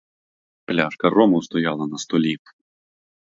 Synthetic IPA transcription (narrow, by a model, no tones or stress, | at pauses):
plʲaʂkɐrɔmuwst̪ɔjalˠɐnɐst̪ɔlʲip